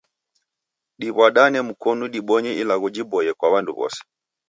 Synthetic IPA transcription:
ɗiβwaɗanɛm̩kɔnuɗiɓɔɲɛilaɣud͡ʒibɔjɛkwaβandṵβɔ̰sɛ̥

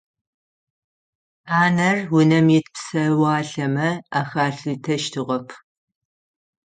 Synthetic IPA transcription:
aːnɐrwʊnɐmɛtpsɐwɑːɬɐmɐaːxaːɬɨtʰɐʃtʰɨʁɐpʰ

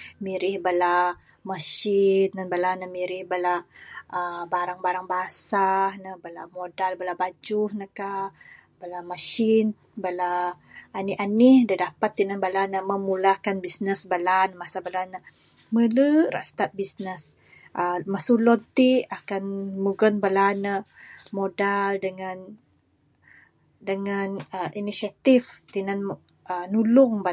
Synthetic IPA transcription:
miɾɪhbala | maʃinːanbalanəmiɾɪhbalaəbaɾaŋbaɾaŋbasanəhbalamodalbalabad͡ʒʊhnəkabalamaʃin | balaː | nianihdadapat̪ːinabalanəməmulahkanbisnəsbalanəmasabalana | mələɾa̰ʔst̪at̪̚bisnəs | ʔəmasulɔnt̪iakanmuɡənbalanəmodaldəŋan | dəŋanəʔinisiat̪ift̪inan | ənulʊŋba

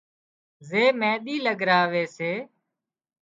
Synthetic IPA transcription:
zeːmɛ̃ːɗ̪iːləɡɾaːʋeːseː

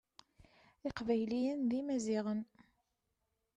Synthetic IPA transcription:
ɪqvæjlijænðimæziʁən

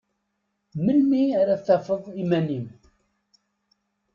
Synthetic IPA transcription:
məlmiaɾæθæfəðˤimænim

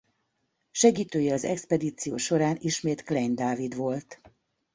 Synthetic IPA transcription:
ʃɛɡiːt̪øːjɛɒzɛ̰kspɛd̪iːt̪sijo̰ːʃo̞ɾaːniʃmeːt̪klɛjnd̪aːvid̪ʋo̞lt̪

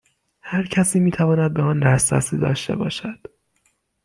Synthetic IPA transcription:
hæɾcʰæsiːmiːt̪ʰævɒːnæd̪̚beɒːnd̪æsæ̰sḭːd̪ɒ̰ːʃt̪e̞̰bɒ̰ːʃæd̪̥

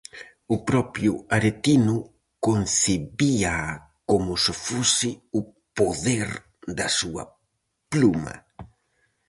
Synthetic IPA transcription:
ʊpɾɔpjʊaɾet̪inʊ | konθeβia | komʊsɪfosɪʊ | poðeɾ | d̪ɐsuɐ̰ | plumɐ̰

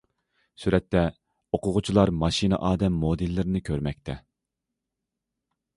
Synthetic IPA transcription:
syɾɛt̪ːɛ | oqʰʊʁʊt͡ʃʰilˠɑɾmɑʃinɨ̰ʔɑːd̪ɛmːod̪ilːɪɾɪnɪkʲʰøɾmɛk̚ʲt̪ʰɛ

